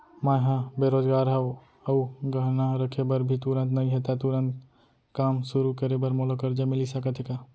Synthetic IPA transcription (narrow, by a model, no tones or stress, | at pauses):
maɦãbeɾod͡ʒɡaːɾɦɛo | əuɡəɦnaɾəkʰebəɾbʱit̪uɾə̃nt̪nəĩɦet̪at̪uɾənt̪ | kaːmsuɾukəɾebəɾmɔlokəɾd͡ʒamɪlisəkət̪ʰika